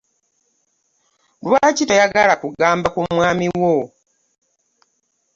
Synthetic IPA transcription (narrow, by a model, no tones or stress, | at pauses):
lwacitajaɡalakuɡaːmbakumwaːmiwo